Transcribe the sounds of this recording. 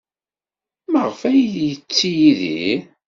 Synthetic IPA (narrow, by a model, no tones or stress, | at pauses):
məʁfæjðjət͡sːijiði